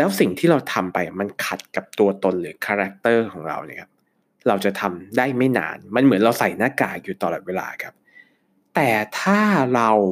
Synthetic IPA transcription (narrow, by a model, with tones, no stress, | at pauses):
lɛː˦˥wsi˨˩ŋt̪ʰiː˥˩ɾa˧wt̪ʰa˧mpa˧jma˧nkʰa˨˩t̪̚ka˨˩p̚t̪u˧ɐt̪o˧nɾɯː˩˦kʰaː˧ɾa˦˥k̚t̪ɤː˥˩kʰɔː˩˦ŋɾa̰˧wnḭ˧˥˩kʰa˦˥p̚ | ɾa˧wt͡ɕa˨˩t̪ʰa˧mdaː˥˩jma˥˩jna̰ː˧nma˧nmɯ˩˦nɾa˧wsa˨˩jnaː˥˩kaː˨˩juː˨˩t̪ɔː˨˩lɔː˨˩t̪̚weː˧la̰ː˧kʰa˦˥p̚ | t̪ɛː˨˩t̪ʰaː˥˩ɾa˧w